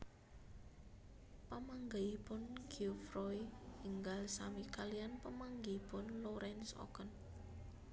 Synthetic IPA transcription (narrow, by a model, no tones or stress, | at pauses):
pəmaŋɡaipʊnɡ̥iufrɔiiŋɡalsamikalijanpəmaŋɡiipʊnloɾɛnsɔ̰kən